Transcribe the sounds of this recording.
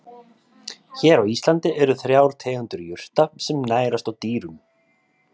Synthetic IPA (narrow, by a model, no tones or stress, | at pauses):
çɛːɾawist̪lant̪ɪʔɛɾʏθɾjaːwɾ̥t̪ʰɛːɣʏnt̪ʏɾjʏr̥t̪asɛmnaːjɾast̪awt̪iːɾʏm